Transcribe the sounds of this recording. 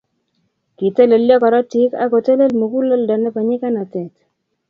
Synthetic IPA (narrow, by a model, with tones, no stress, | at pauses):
ki˨te˦le˨ljɔ˦kɔ˨ɾɔ˦tɪ˦ka̰˦ko˨te˦le˦lmu˨ku˦lo˦ldɔ˨nɛ˦pa˨ɲɪ˦ka˦na˨tɛ˨t